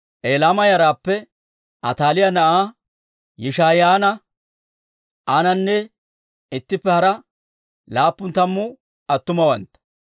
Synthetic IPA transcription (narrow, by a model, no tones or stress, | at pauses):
ʔeːlaːmɐjɐɾaːpːɛ | ʔɐ̰t̪aːlɪjɐnɐʔaː | jɪʃaːjaːnɐ | ʔanɐnːɛ | ɪt̪ːɪpːɛhɐɾɐ | laːpːʊnt̪ɐmːʊ | ɐt̪ːʊmɐwɐnt̪ɐ̥